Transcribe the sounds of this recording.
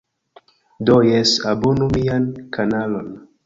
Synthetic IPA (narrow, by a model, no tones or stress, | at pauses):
dojesabonumiankʰanalon